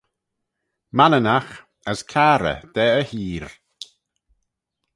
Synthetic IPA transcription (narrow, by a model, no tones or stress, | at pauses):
manənax | əskʰaɾə̰d̪̥ɛːəhiːɾ